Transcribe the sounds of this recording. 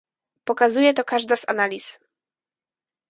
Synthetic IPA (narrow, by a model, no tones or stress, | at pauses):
pɔkazujɛt̪ɔkaʐd̪az̥a̰nalʲis